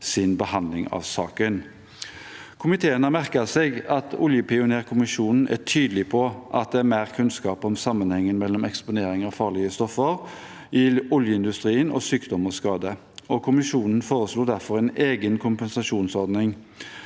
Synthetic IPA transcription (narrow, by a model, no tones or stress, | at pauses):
sɪnbəhɑnd̪lɪŋɑ̰ʋsɑːkən | kʰʊmɪt̪ʰeːənəmæʁkəseɡɑt̪ʰʊljəpɪʊneːʁkʰʊmɪʂuːnn̩ʔæ̰ʈʰyːd̪əlɪpʰɔʔɑt̪̚d̪ɛæɾmæːʁkʰʉnskɑːpɔmsɑmːənhɛŋːənmɛlːɔmɛkspʊneːɾɪŋɑʋfɑːʁɭɪəst̪ɔfːəʁ | ɪʊljəɪnd̪ʉst̪ɾiːənɔ̰syːkd̪ɔmːəskɑːd̪ə | ɔkʰʊmɪʂuːnn̩foːʁəsluːd̪æɾfɔɾʁɛneːɡənkʰʊmpənsɑʂuːnsɔɾd̪nɪŋ